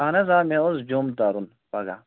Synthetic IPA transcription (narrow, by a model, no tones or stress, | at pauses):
aːnɐzaːmeozd͡ʒomd̪aɾun | pɐɡa̰